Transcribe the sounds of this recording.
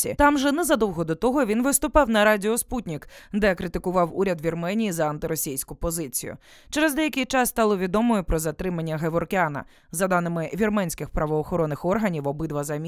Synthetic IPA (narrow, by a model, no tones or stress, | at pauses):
ḭt̪ɑmʒɛnɛzɐd̪ɔwɦɔd̪ɔt̪ɔɦɔʋʲinʋɪst̪ʊpɑwnɐɾɑdʲɪɔsput̚ʲnʲikd̪ɛkɾɪt̪ɪkʊʋɑwuɾʲɐd̪ʋʲirmɛnʲijizɐɐnt̪ɪɾɔsʲijsʲkʊpɔzɪt͡sʲijʊ̰ | t͡ʃɛɾɛzd̪ɛjɐkɪjt͡ʃɑst̪ɑlˠɔʋʲid̪ɔmɔjʊpɾɔzɐt̪ɾɪmɐnʲːɐɦeʋɔrkeanɐ̰ | zɐd̪ɑnɪmɪʋʲirmɛnʲsʲkɪxpɾɐʋɔːxɔɾɔnːɪxɔrɦɐnʲiwɔbɪd̪ʋɐzɐmʲ